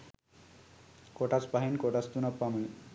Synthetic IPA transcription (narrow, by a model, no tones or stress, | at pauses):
koʈat͡spaɦinkoʈat͡st̪unəpːami